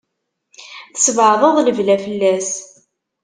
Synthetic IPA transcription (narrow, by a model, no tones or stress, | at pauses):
θə̥svʕðˤəðˤləvlæfəlːæs